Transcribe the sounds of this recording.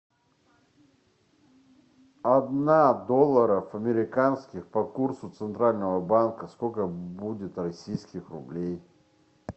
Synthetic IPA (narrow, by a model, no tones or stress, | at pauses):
ɐd̪nad̪olˠːəɾəfɐmʲɪɾʲɪkanskʲɪxpɐkursʊt̪sɨnt̪ɾalʲnəvəbankəskokəbudʲɪt̪rɐsʲijskʲɪxrʊblʲej